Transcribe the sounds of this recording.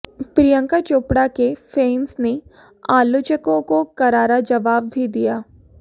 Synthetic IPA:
pɾijə̃ŋkat͡ʃoːpɽakefeːnsne | aːlʊt͡ʃəkõkokɐɾaːɾad͡ʒɐʋaːb̚bʱid̪ijaː

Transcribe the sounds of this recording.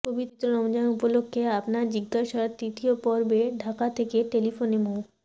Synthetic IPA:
pobit̪t̪ːɾonɔmd͡ʑaupolokʰːeapnaɾd͡ʑiɡːaʃat̪ɾit̪iopɔɾbeɖʱakat̪ʰekeʈelifonemow

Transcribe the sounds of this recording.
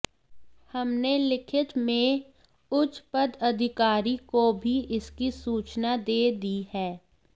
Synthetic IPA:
hɐmnelɪkʰɪt̪mẽ | ʊt͡ʃpəd̪ɐd̪ʱɪkaːɾikobʱiʔɪskisuːt͡ʃnad̪eːd̪ihɛː

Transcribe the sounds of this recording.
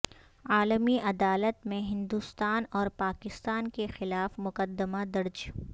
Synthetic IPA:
aːləmiʔɐd̪aːlət̪mẽɦɪ̃nd̪ust̪aːnɔːɾpaːkɪst̪aːnkexɪlaːfmʊkəd̪ːəmad̪ɐɾd͡ʒ

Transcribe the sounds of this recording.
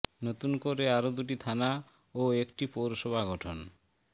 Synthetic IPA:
not̪unkoɾeaɾod̪uʈ̬it̪ʰana | oekʈipowɾoʃobʱaɡɔʈʰon

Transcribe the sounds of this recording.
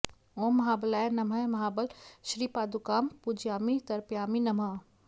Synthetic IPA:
õːmɐɦaːbɐlaːjnɐmɐmɐɦaːbəlʃɾiːpaːd̪ukaːmpud͡ʒjaːmit̪ɐɾpjaːminɐma

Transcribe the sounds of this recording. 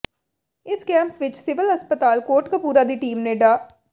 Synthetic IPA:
ɪskɛ̃ːmpʋɪt͡ʃsɪʋɪləspət̪aːlkoːʈkapuːɾaːd̪iːʈiːmneːɖaː

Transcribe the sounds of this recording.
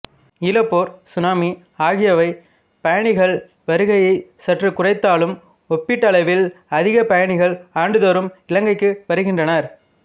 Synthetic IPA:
ɪlɐpːoːɾsʊnaːmi | aːɣɪjɐʋɐɪ | pɐjɐɳɪɣɐɭ | ʋɐɾɯɣɐjɐɪsɐʈrɯkʊrɐɪt̪ːaːlɯm | ɔpːɪʈːɐɭɐɪʋɪlɐðɪɣɐpɐjɐɳɪɣɐɭaːɳɖɯðoːɾɯmɪlɐŋɡɐɪkːɯʋɐɾɯɣɪndrɐnɐɾ

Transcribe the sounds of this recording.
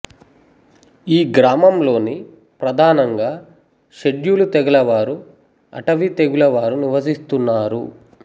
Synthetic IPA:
iːɡɾaːmɐmlo̞ːni | pɾɐd̪ʱaːnɐŋɡaː | ʃeɖjulut̪eɡɐlɐʋaːɾu | ɐ̰ʈɐʋit̪eɡulɐʋaːɾuniʋɐsist̪unːaːɾṵ

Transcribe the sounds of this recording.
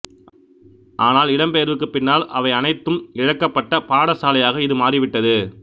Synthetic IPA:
ʔaːnaːlɪɽɐmpeːɐɾʋɯkːɯpːɪnːaːlʔɐʋɐɪɐnɐɪt̪ːɯmɪɻɐkːɐpːɐʈːɐpaːɽɐsaːlɐjaːɣɐɪðɯmaːriʋɪʈːɐðɯ

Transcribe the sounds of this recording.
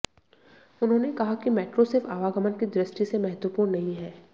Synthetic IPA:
ʊnɦõːnekɐɦakimɛːʈɾosɪɾfaːʋaɡəmənkid̪ɾɪsʈisemɐɦət̪wəpuːɾɽnnɐɦĩɦɛː

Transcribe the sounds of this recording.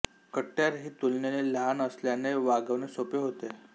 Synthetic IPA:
kəʈːjaɾɦiːt̪ulnjeneləɦanəsljaneʋaɡəʋnesopeɦot̪e

